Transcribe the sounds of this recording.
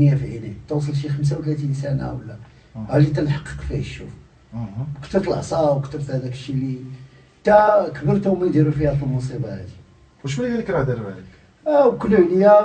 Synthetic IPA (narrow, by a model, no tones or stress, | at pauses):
jæfiʕinit̪uws̬ˤəlʃixəms̬awt̪læt̪insæna̰wəlːæ | hælit̪ælħɑqːi̥qfæ̰jʃṵf | kt̪əɾt̪əlʔsˤɑwkt̪əɾt̪hæd̪ækʃili | t̪ækəbəɾt̪æmænd̪iɾufihæt̪əlmusˤibɑhæ̰d̪i̥ | wəʃmælikænəkɾɑhd̪əɾbælək | æwkəlːʕnəja